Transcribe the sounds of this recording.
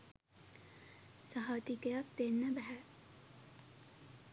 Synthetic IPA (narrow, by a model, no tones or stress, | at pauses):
saɦaʋt̪ikejak̚t̪enːəbæɦæ